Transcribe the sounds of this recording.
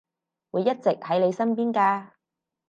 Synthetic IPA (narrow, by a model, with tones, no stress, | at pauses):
wuː˨˧jːɐ˥t̚t͡sɪ˨k̚hɐ˨˥jle˨˧jsɐ˥npiː˥nkaː˧